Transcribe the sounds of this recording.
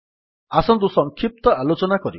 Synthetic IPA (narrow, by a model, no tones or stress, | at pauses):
asɔnt̪usɔŋkʰip̚t̪ɔalot͡ʃɔnakɔɾi